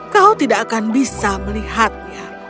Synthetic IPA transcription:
kaut̪idaʔːkanbisaməliɦat̪̚ja

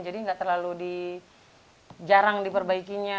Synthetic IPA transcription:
nd͡ʒadiŋɡaʔt̪ərlaludi | d͡ʒaɾaŋdipərbaikiɲa

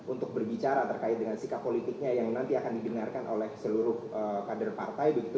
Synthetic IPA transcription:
ʔunt̪ʊk̚bərbit͡ʃaɾat̪ərkaɪt̪̚dəŋansikapːolit̪ɪk̚ɲajaŋnant̪iakandibənarkanʔo̰lɛhsəluɾʊhəkadərpart̪ajbəɡit̪u

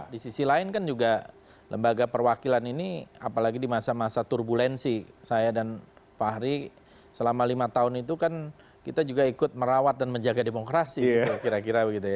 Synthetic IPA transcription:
disisilaɪnkand͡ʒuɡa | ləmbaɡapərwakilaninia̰palaɡidimasamasat̪urbulɛnsisajadanfahɾi | səlamalimat̪aʊnit̪ukan | kit̪ad͡ʒuɡaikʊt̪̚məɾawat̪̚danməɲd͡ʒaɡademokɾasiɡiukiɾakiɾabəɡit̪uja

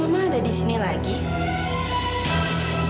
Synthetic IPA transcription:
madadisinelaɡi

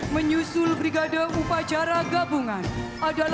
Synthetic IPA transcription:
məɲusʊlbɾiɡadaʔupat͡ʃaɾaɡabuŋan | adal

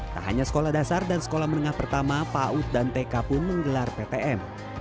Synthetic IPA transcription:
t̪a̰ɦa̰ɲasə̥kolahdasardansə̥kolahmənəŋahpərt̪amapaut̪̚dant̪ekapʊnməŋɡəlarpet̪eʔɛm

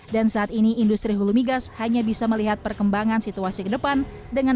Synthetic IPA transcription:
dansaːt̪iniːndust̪ɾiɦulumiɡashaɲabisaməliɦat̪̚pərkəmbaŋansit̪uasikədəpan | dəŋa

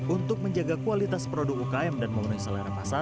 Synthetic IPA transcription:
unt̪ʊk̚məɲd͡ʒaɡakualit̪aspɾodʊk̚ukaɛmdanməmənʊŋsalaɾamasa

